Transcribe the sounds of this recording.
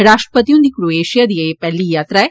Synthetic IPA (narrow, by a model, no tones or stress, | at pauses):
ɾaːʂʈɾɐ̥pɐt̪ijund̪ikɾueːʃijɐd̪ijepɐlːijaːt̪ɾɛ